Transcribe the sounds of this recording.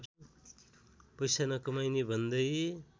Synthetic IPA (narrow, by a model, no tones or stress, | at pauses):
pʌjsanʌkʌmajnibʱʌnd̪ʌj